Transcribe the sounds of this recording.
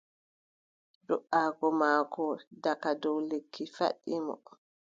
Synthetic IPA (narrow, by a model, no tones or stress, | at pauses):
ɗɔʔaːɡɔmaːkɔdakadɔwlekʰːifa̰ɗːimɔ̰